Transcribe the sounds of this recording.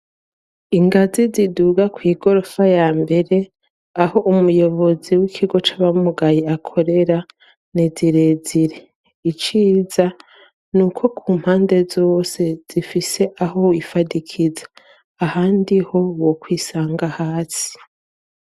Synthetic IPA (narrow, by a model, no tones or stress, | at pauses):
iŋɡaziziduɡakwiːɡo̞ɾo̞fajaːmbe̞ɾe̞ | aho̞ʔumujo̞βo̞ziwikʰiɡo̞t͡ʃaβamuɡajeakʰo̞ɾe̞ɾa | neziɾe̞ziɾe | it͡ʃiːza | nuːkʰo̞kʰuːm̥haːnde̞zo̞ːse̞z̥ifise̞ʔaho̞ifadikʰizḁː | haːndiho̞wokwiːsaːŋɡahaːsi̥